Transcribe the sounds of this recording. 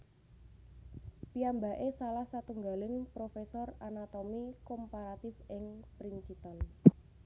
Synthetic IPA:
piamba̤ʔesalahsat̪uŋɡalɪŋpɾofesɔranat̪omikompaɾat̪ɪfɪŋpɾint͡ʃit̪ɔn

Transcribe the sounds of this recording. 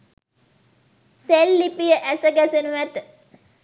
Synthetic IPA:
selːipijəʔæsəɡæsenuʋæt̪

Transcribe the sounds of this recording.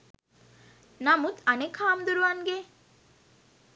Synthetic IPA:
nɐmut̪ɐnekʰaːmd̪uɾuʋanɡe

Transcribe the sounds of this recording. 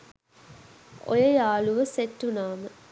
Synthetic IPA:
o̰jəjaːluʋəsetːunaːmə

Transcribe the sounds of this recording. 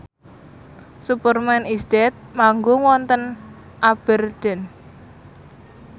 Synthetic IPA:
supərmɛnisdɛt̪̚maŋɡoŋwɔnt̪ən | ʔab̥ərd̪̥ɛn

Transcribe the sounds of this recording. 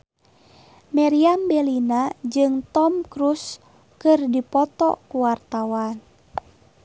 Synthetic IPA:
mɛɾiambɛlinad͡ʒɨŋt̪ɔmkɾus | kɨrdipɔt̪ɔ̰kuwart̪awan

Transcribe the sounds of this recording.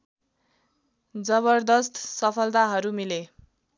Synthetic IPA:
d͡zʌβʌrd̪ʌst̪sʌpʰʌlt̪aɦʌɾumile

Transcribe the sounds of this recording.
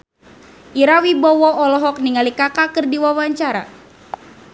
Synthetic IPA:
ʔiɾawibɔwɔɔlɔɦɔk̚niŋalikakakɨrdiwawaɲt͡ʃaɾa̰

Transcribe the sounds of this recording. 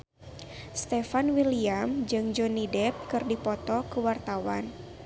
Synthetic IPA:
st̪ɛfanwiliamd͡ʒɨŋd͡ʒɔnidɛp̚kɨrdipɔt̪ɔkəwart̪awa̰n

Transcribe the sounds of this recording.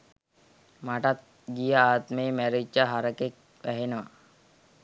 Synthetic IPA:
maʈat̪̚ | ɡijəaːt̪meːmæɾid͡ʒəɦaɾəkek̚ | ʋæɦenəʋa̰

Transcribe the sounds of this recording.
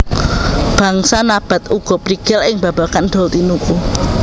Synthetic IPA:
b̥ä̤ŋsanab̥a̤t̪uɡ̥ɔ̤pɾiɡ̥ɛlɪŋba̤bakand̪̥ɔlt̪inuku

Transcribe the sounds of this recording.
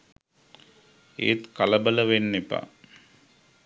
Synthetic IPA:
ḛːt̪kaləbələʋenːepa̰

